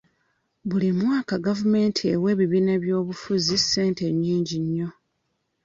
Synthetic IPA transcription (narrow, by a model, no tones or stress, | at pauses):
βulimwaːkaɡavume̞ːntʰiewe̞ːβiβiːneβjo̞ːβufuzisːe̞ːnte̞ɲːiːɲɟiɲːo̞